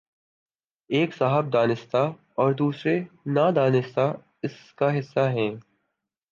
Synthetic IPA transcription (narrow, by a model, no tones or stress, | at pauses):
eːksaːɦəb̚d̪aːnɪst̪a | ɔːɾd̪uːsɾenad̪aːnɪst̪a | ɪskaɦɪsːaɦɛ̃ː